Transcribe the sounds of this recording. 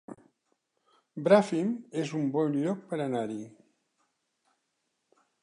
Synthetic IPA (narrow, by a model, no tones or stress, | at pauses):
bɾafimezumbɔnʎɔk̚pəɾənaɾi